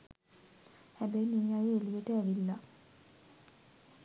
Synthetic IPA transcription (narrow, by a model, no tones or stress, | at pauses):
hæbɛjmiːajeeliʋeʈəæʋilːa